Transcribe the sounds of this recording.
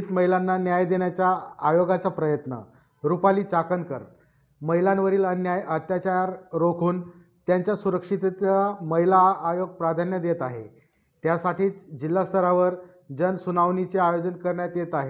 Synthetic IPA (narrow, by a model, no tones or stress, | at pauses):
t̪məɦilanːanjajd̪eɳjat͡ɕjaːjoɡat͡sapɾəjət̪nə̰ | ɾupaliːt͡sakənkə̰ɾ | məɦilãnʋəɾiːlənjajət̪jat͡ɕaɾɾokʰuːn | t̪jaɲt͡ɕjasuɾəkʂit̪t̪aməɦilaːjoɡ̚pɾad̪ʱanjəd̪jet̪aɦḛ | t̪jasaʈiːt͡sd͡ʑilːast̪ʰəɾaʋəɾ | d͡zənsunaʋnit͡seajod͡zənkəɾɳjat̪jet̪aɦe